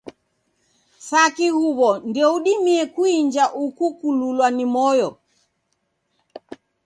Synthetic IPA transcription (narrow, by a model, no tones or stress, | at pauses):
sakihuβɔndiɔuɗimiɛkuiɲd͡ʒaʔukukululwanimɔjɔ